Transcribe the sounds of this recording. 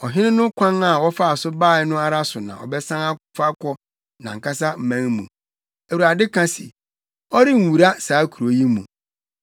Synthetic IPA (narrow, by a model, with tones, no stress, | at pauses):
ɔ˨ɦɪ̃˦nɪ̃˦nʊ̃˦kʷʰã˦na˨wɔ˦fa˦a˨sʊ˦baː˦˨ɛ˨˦nʊ̃˦a˦ɾa˦sʊ˨nã̰˨ɔ̰˨bɛ˦sã˦ŋa˦fa˦kʷɔ˦ | nã̰˨ŋ̩˨kʰa˦sa˦m̩˨mæ̃˦ŋmṵ̃˨ | æ˨wu˨ɾa˨dɪ˦kʰã˦sɪ̰˨ | ɔ˦ɾɪ˦n̩˨wu˨ɾa˦saː˨˦kʰu˨ɾo˨˦ji˦mṵ̃˨